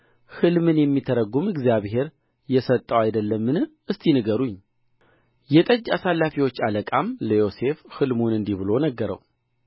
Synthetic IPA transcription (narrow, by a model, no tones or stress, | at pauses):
hɨlmɨnjɛmːit̪ʰəɾəɡumɨɡzjaβɦe̞ɾ | jɛsət̪ʼːəwajd̪əlːəmːɨnɨ | ɨst̪ʰʼinɨɡəɾuɲː | jɛt̪ʼəd͡ʒːasalːafiwo̞t͡ʃːaləkʼamləjo̞se̞fhɨlmunɨnd̪iβɨlo̞nəɡːəɾə̰w